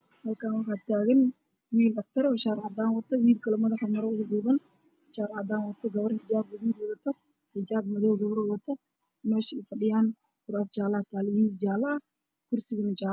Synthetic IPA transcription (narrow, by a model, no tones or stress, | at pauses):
hɐlkʰaːnwɑħɑːd̪̚t̪ʰaːɣɐn | wiːlɐft̪ʰɐɾɔːʃaːɾʕɑd̪aːnwɐt̪ʰɔwiːd̪kʰɐlɔmɐðɐħɔmɐɾɔʊɣʊd̪uːβɐn | ʃaːɾʕɑd̪aːnwɐt̪ʰɐɡɐβɐrhɪd͡ʒaːbɐðuːd̪ɔðɐt̪ʰɔ | ħɪd͡ʒaːb̚mɐðɔwɡɐβɾɔwɐt̪ʰːɔ | mɛːʃfɐɖɪjaːn | fʊɾaːst͡ʃaːlɐt̪ʰaːlɪmiːns̬t͡ʃaːlɐɐ | kʰʊrsɪɣɐnɐt͡ʃaː